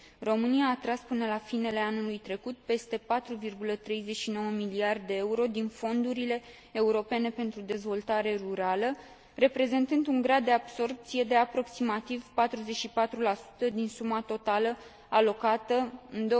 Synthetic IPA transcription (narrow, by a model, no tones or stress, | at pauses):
ro̞mɨnijaːt̪ɾaspɨnəlafine̞le̞anulujt̪ɾe̞kut̪̚pe̞st̪e̞pat̪ɾuvirɡulət̪ɾe̞jze̞ʃino̞wəmiliard̪d̪e̞euɾo̞d̪info̞nd̪uɾile̞ː | uɾo̞pe̞ne̞pe̞nt̪ɾud̪e̞zvo̞lt̪aɾe̞ruɾalə | re̞pɾe̞ze̞nt̪ɨnd̪uŋɡɾad̪̚ːe̞ab̥so̞rp̚t̪sije̞d̪e̞apɾo̞ksimat̪ivpat̪ɾuze̞t͡ʃʃipat̪ɾulasu̥t̪əd̪insumat̪o̞t̪alə | alo̞kat̪əɨnd̪o